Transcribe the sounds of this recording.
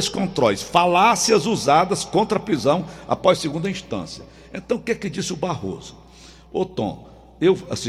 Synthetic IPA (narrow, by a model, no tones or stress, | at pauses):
skõnt̪ɾɔlsfalasiɐzuzad̪ɐskõnt̪ɾɐpɾizɐ̃w̃a̰pɔsseɡũnd̪ɐĩʃt̪ɐ̰̃sjɐ | ẽt̪ɐ̃w̃kɛkɪd͡ʒisɪʊbaho̰zʊ̥ | ot̪õ̰ | ewasĩ